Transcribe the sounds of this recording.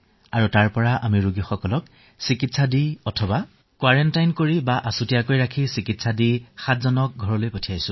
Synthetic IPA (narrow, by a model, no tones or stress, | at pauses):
aɹutaɹpɔɹaʔamiɹuɡixɔkɔlɔk | sikitsadiɔtʰɔba | kwaɹɛntajnkoɹibaʔasutijakojɹakʰisikitsadixatzɔnɔk̚ɡʱɔɹɔlojpotʰijajsʊ̃